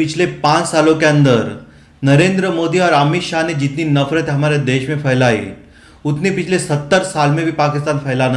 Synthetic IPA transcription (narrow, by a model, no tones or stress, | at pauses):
pit͡ɕʰlepãt͡ssalokjãnd̪əɾ | nəɾend̪ɾəmod̪iaɾəmit̪ɕaned͡ʑit̪niːnəfɾət̪ɦəmaɾjad̪eɕmefəjlaḭ | ut̪nipit͡ɕʰlesət̪ːəɾsalmẽbʱiːpakist̪anfəjlanə